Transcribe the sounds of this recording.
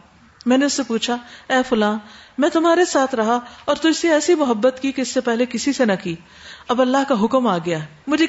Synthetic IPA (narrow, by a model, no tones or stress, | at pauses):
mɛ̃ːneʊsːepuːt͡ʃʰaɛːfʊlãːnmɛ̃ːt̪ʊmaːɾesaːt̪ʰɾɐɦaɔːɾt̪ʊd͡ʒseɛːsimʊɦəbːət̪kikeɪsːepɛɦlekɪsisenɐkiː | ɐbɐlːaɦkaɦʊkəmaːɡɐjaɦɛ | mʊd͡ʒʱe